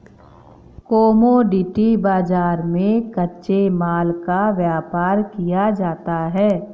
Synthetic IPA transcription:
koːmoɖɪʈibaːd͡ʒaːɾmẽkɐtːʃemaːlkaʋjaːpaːɾkijad͡ʒaːt̪aɦɛː

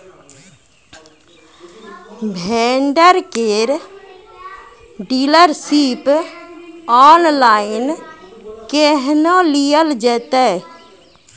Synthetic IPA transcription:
bʱɛːɳɖəɾkeːɾ | ɖiːləɾsiːp | ɔːnlaːɪn | keɦnolijəld͡ʒɛːt̪ɛ

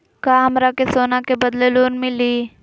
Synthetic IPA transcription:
kaːɦɐmɾakesoːnakebɐd̪leloːnmɪ̃liː

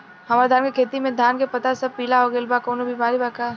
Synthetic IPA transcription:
ɦɐmaːɾed̪ʱaːnkekʰeːt̪imẽd̪ʱjaːnkepɐt̪asɐb̚piːlaɦoɡelbakoːnobʱimaːɾibaka

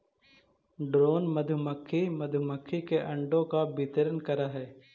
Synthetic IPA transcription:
ɖɾoːnməd̪ʱʊməkʰːimɐd̪ʱməkʰːikeʔɐ̃ɳɖõkabɪt̪əɾənkɐɾaɦɛː

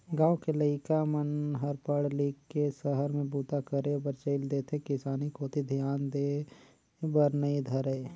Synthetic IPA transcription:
ɡaːokeləɪkamənɦəɾpəɽliːkkesəɦəɾmẽbuːt̪akəɾebəɾt͡ʃeɪld̪eːt̪ʰekɪsaːnikoːt̪ʰid̪ʱijaːnd̪eː | bəɾnɐid̪ʱɐɾəː

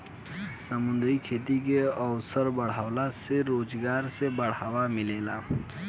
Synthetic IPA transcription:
səmʊ̃nd̪ɾikʰeːt̪ik̬eəʋsəɾbəɽ̤aːwlaseɾoːd͡ʒɡaːɾsebəɽ̤aːwamɪleːlaː

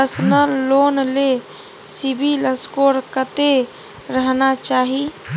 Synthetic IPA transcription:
əsnəlːonle | sibʱiləskoɾkət̪e | ɾəɦnat͡ʃaɦi

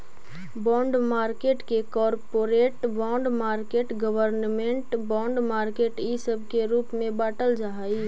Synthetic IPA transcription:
bɔ̃ːɳɖmaːɾkeːʈkekɔːɾpoːɾeːʈbɔ̃ːɳɖmaːɾkeːʈɡəwəɾnmẽɳʈbɔ̃ːɳɖmaːɾkeːʈisəbʱkeɾuːpmẽbaːʈəld͡ʒaɦai

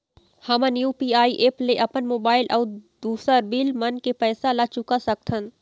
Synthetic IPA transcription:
hɐmãnjuːpiːaːiʔeːpleʔɐpənmoːbaːɪlʔɐːd̪uːsəɾbilmɐnkepɛːsalat͡ʃʊkasɐk̚t̪ʰən

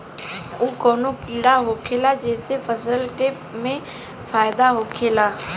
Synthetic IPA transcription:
oːkoːnokiːɽaɦoːkʰeːlad͡ʒɛːsefəsəlke | mẽ | faːɪd̪aɦoːkʰeːlaː

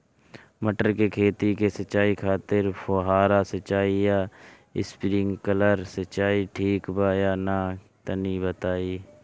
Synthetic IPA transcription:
məʈəɾkekʰeːt̪ikesəʃaːikʰaːt̪ɪɾpʰoːɦaːɾasət͡ʃːaːija | ɪspɾɪ̃ŋɡkələɾsət͡ʃaːiʈʰiːkbaːjana | t̪ənibət̪aːiː

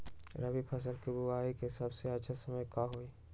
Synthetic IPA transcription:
ɾɐbipʰɐs̬əlkibuaːikesɐbseɐtːʃʰasɐməjkaɦoiː

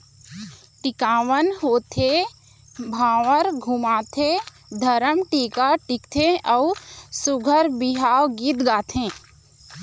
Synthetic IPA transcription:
ʈɪkaːʋənɦoːt̪ʰe | bʱaːʋəɾɡʱumaːt̪ʰe | d̪ʱəɾəmʈiːkaʈɪkt̪ʰeʔɔʊsʊɡʱəɾbɪɦaːwɡit̪ɡaːt̪ʰẽː

